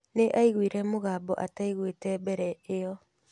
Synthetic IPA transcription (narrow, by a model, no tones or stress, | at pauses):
neʔaiɣwiɾɛmoɣaːbɔʔataiɣwetɛbɛɾɛeɔ